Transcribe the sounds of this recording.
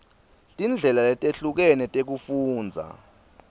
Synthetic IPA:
tʼind͡ɮʱɛlaɛtʼeɬuk̬ɛnɛtʼek̬ufuːnd͡zʱa̰

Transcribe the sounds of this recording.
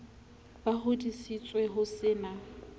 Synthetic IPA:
b̥ahʊdisit͡sʼwɛɦʊsɪːna

